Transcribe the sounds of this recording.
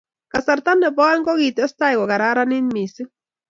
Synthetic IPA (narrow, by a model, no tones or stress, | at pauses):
kasaɾt̪anːepoaŋɡoɣit̪est̪ajɡoɣaɾaɾaninmisɨ